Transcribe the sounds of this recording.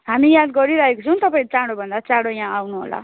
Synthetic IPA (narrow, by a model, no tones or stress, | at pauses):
ɦamijad̪ɡʌɾiɾaɦekot͡sʰʌw̃t̪ʌpaĩɾt͡saɽobʱʌnd̪at͡sãɽojãawnuɦo̰la̰